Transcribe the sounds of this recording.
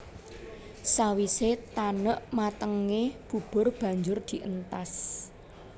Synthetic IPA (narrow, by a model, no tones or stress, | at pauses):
sawiset̪anəʔmat̪əŋeb̥ṳb̥ʊ̤rb̥ä̤ɲd͡ʒʊrd̪̥i̤ʔənt̪as